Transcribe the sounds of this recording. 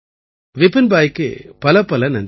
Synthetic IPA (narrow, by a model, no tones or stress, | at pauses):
ʋɪpːɪnbaːjkːɯ̰pɐlɐpːɐlɐnɐn